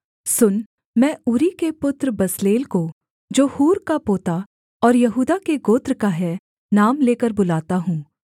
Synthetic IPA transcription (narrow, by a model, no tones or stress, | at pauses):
sʊn | mɛ̃ːʊɾikepʊt̪ɾbɐsleːlko | d͡ʒoːhuːɾkapoːt̪a | ɔːɾjɐɦuːd̪akeɡoːt̪ɾkaɦɛ | naːmleːkəɾbʊlaːt̪aɦũː